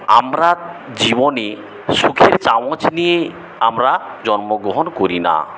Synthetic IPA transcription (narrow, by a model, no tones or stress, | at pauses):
amɾa | d͡ʑibone | ʃukʰeɾt͡ɕamot͡ɕnije | amɾa | d͡ʑɔnmoɡɾoɦonkoɾina̰